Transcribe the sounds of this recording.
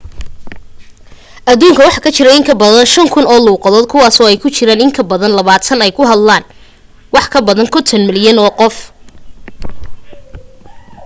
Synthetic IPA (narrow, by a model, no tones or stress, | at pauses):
ʔɐðuːŋkʰɐwɑħɑkʰɐt͡ʃɪɾɐɪŋkʰɐbɐðɐnʃɐŋkʰʊnɔːluːqɑðɔːd̪̚kʰʊwɑːsɔːɛjkʰʊt͡ʃʰɪɾaːnɪŋk̪ʰɐbɐðɐnlɐβaːt̪ʰɐnɛjkʰʊɦɐd̪laːn | wɑħkʰɐbɐðɐnkʰɔnt̪ʰɐnmɪljɐnɔːqɔf